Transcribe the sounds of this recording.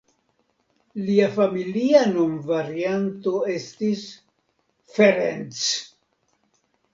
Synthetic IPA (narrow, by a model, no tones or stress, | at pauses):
liafamilianonvaɾiant̪o̞e̞stis | feɾent͡s